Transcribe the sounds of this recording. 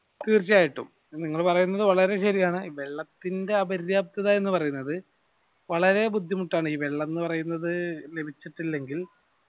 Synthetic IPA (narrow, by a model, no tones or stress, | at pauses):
t̪iːrt͡ɕːaːjiʈːṵm | niŋːɐɭpɐrɐjunːɐðɨʋɐɭɐɾe̞ɕɐɾijaːɳɨiʋeɭːɐt̪ːinde̞ɐbɐɾjaːp̚t̪iɐðɐe̞nːɨpɐrɐjunːɐðɨ | ʋɐɭɐɾe̞bud̪ʱːjimuʈːaːɳiːʋe̞ɭːɐnːɨpɐrɐjunːɐðɨle̞bʱit͡ɕːiʈːilːe̞ŋɡil